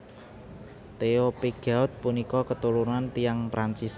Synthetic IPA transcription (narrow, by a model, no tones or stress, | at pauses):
t̪eopiɡ̥a̤ʊt̪̚punikɔkət̪ulunant̪ijaŋpɾant͡ʃis